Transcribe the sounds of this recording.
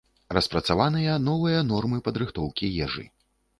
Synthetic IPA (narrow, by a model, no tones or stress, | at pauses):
rɐspɾɐt̪savanɨjɐnɔvɨjɐnɔrmɨpɐd̪ɾɨxt̪ɔwkʲijɛʐɨ̰